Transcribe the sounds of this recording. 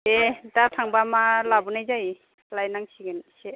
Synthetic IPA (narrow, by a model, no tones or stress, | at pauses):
edatʰaŋbamalabunajzaj | lajnaŋsiɡɯnse